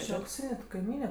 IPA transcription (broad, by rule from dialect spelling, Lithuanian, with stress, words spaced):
ˈt͡ʃʲɪ ɐʊkˈsʲiːnʲɛ tɐ kɐɪˈmʲiːnʲɛ